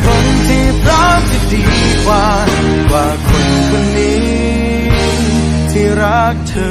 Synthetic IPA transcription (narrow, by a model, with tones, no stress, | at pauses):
kʰo˧˥nt̪ʰiː˧˩pɾa˦˥p̚ti˧˩diː˨˧kwaː˧waː˧˩kʰo˧nkʰo˧ndiː˦ | t̪ʰiː˧˩ɾa˦˥k̚t̪ʰə˧